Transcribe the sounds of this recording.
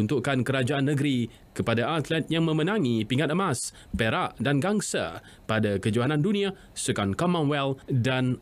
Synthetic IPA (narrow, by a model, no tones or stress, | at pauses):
unt̪uʔkankəɾad͡ʒaʔanːəɡɾi | kəpadaʔat̪lɛt̪̚jaŋmə̃mə̃nãŋipiŋat̪əmas | peɾaʔdanɡaŋsa̰ | padakəd͡ʒuɦanãndunĩa | səkankɔmãnwɛldan